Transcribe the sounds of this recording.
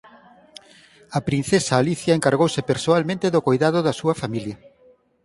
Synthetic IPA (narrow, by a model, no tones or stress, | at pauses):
ɐpɾin̟θesaːliθjɐeŋkaɾɣowsepeɾsoalmẽnt̪eðʊkojðaðʊðɐsuɐfamiljɐ